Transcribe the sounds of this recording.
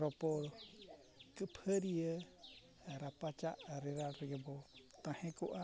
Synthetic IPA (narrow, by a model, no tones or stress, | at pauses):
ɾɔpɔl | kɨpʰəɾiə | ɾapat͡ʃaʔɾeɾaɾiɡəbɔt̪ãhɛ̃kuʔa